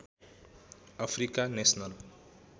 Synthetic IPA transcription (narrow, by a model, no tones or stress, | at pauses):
ʌpʰrikanesnʌl